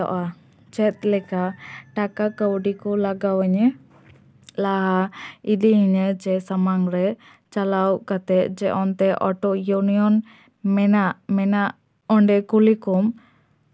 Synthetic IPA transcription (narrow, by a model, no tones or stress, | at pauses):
ɔ̰ʔa | t͡ʃɛt̪̚lɛkaʈakakəwɖikɔlaɡawəɲɛ | laɦaid̪iɦiɲəd͡ʒɛsamaŋɾɛ | t͡ʃalawkat̪ɛʔd͡ʒɛʔɔnt̪ɛʔɔʈɔʔjuniɔn | mɛnaʔmɛnaʔ | ɔɳɖɛkulikum